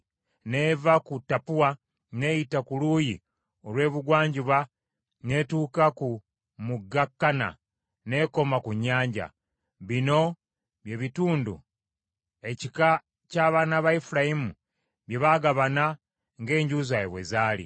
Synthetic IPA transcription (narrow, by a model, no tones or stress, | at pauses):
ne̞ːvakutːapuwa | ne̞jitakuluːji | o̞lwe̞ːβuɡwaːɲɟiβa | ne̞tuːkaku | muɡːakːana̰ | ne̞ko̞makuɲːaːɲɟa̰ | βino̞ | βje̞βituːndṵ | e̞cika | caːβaːnaβaifuɾajimu | βje̞βaɡaβana | ŋɡe̞ːɲɟuzajeβwezaːlḭ